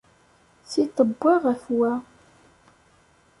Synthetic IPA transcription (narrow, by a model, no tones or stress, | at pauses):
sit̪ˤːəbːɑʁəfwæ